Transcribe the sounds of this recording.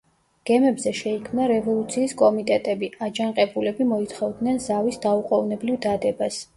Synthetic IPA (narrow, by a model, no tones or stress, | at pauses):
ɡ̥ɛmɛbzɛʃɛikʰmnaɾɛvɔlˠut̪sʰiːskʼɔmit̪ʼɛt̪ʼɛbiad͡ʒanqʼɛbulɛbimɔit̪ʰχɔvd̪nɛnzavisd̪auqʼɔvnɛblivd̪ad̪ɛbas